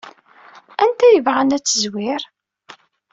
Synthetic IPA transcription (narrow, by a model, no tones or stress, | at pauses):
ænt̪æjəvʁænæt͡sːəzwɪɾ